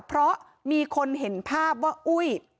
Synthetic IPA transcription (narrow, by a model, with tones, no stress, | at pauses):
pʰɾɔ˦˥ʔ | miː˧kʰo˧nɦe˩˦npʰaː˥˩p̚waː˥˩ʔu˥˩j